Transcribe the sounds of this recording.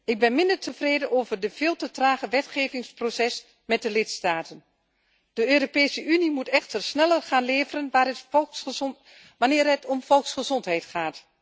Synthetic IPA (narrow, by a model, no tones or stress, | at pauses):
ɪk̚bɪnmɪndərtʰəvreːdənoːvərdəv̥eːlˠtətraːχəʋɛtχeːvɪŋsprosɛs | mɛt̚dəlɪtstaːtən | d̥əøːropeːsəʔynimutɛxtərsnɛlərχaːnleːvərənʋaːrə | ʋanɪːrɦətɔmfɔlˠksχəzɔntɦɛjtχaːt